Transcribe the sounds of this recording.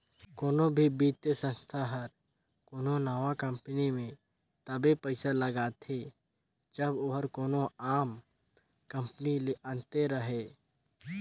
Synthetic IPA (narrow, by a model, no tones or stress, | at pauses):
koːnobʱibiːt̪jəsə̃nst̪ʰaɦəɾ | koːnonaːʋakə̃mpnimẽ | t̪əbepəɪsaləɡaːt̪ʰe | d͡ʒəboɦəɾkoːnoaːm | kə̃mpənileə̃nt̪eɾəɦeː